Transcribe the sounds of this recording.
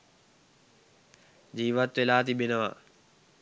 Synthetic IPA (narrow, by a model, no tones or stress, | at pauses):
d͡ʑiːʋət̪ːelaːt̪ibɪnəʋa